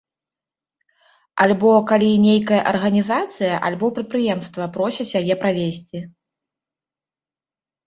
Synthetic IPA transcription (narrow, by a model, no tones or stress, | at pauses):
alʲbɔkalʲinʲejkɐjɐʔɐrɣɐnʲizat̪sɨjɐʔalʲbɔpɾɐt̪̚pɾɨjɛmst̪vɐpɾɔsʲɐsʲjajɛpɾavʲesʲt͡sʲi